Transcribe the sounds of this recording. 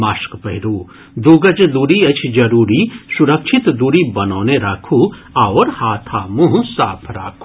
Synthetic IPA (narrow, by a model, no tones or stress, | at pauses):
maːʃkpɐɦɪɾuː | d̪oːɡəd͡ʒd̪uːɾiɐt͡ʃʰd͡ʒɐɾuːɾisuɾəkʃʰɪt̪d̪uːɾibɐnoːneɾaːkʰuaːoɾhaːt̪ʰaːmuɦũsaːpʰɾa̰ːkʰu